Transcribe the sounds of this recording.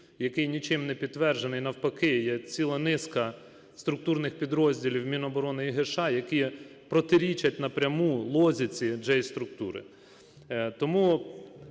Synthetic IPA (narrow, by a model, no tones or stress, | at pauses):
jɐkɪjnʲit͡ʃɪmnɛpʲid̪̚t̪ːʋɛrʒenɪjnɐwpɐkɪjɛt͡sʲilˠɐnɪskɐ | st̪ɾʊk̚t̪uɾnɪxpʲid̪ɾɔzʲdʲilʲiwmʲinɔːbɔɾɔnɪiɦɪʃɑjɐkipɾɔt̪ɪɾʲit͡ʃɐtʲnɐpɾʲɐmulˠɔzʲit͡sʲid͡ʒɛjst̪ɾʊk̚t̪uɾɪ̰ | t̪ɔmu